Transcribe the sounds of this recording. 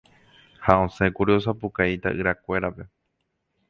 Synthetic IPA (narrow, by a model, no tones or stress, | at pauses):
haõsẽkuɾios̬apukait̪a̰ʔɨɾakʷe̞ɾape̞